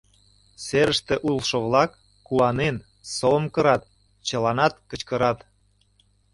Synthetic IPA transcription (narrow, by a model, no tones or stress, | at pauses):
seɾəʃt̪ĕʔulˠʃoβlɑkː | uɑnen | somkə̆ɾɑt̪ | t͡ɕə̆lɑnɑt̪̚kət͡ɕkəɾɑt̪